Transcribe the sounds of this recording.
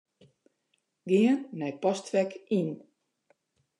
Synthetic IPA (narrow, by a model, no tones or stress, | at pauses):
ɡɪənːɛjpɔstʋɛkin